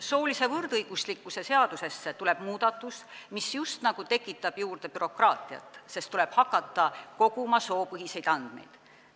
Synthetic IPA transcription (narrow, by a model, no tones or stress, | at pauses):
so̞ːlise̞vɤrd̪̥ɤjɡ̥uslikːˑuse̞se̞ɑd̪̥use̞sːet̪ule̞b̥muːd̪̥ɑt̪ːˑusmisjust̪nɑɡ̥ut̪e̞kːˑit̪ːˑɑb̥juːrd̪̥e̞pyɾo̞krɑːt̪ˑiɑ̰t̪ːˑse̞st̪ule̞b̥hɑkːˑɑt̪ːˑɑko̞ɡ̥umɑso̞ːpɤɦise̞jd̪̥ɑnd̪̥me̞̰jd̪̥